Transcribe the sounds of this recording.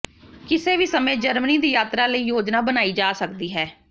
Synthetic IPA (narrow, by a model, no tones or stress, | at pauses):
kɪseːʋiːsəmẽːd͡ʒəɾməniːd̪iːjaːt̪ɾaːləiːjoːd͡ʒnaːbənaːiːd͡ʒaːsəkd̪iːɦɛː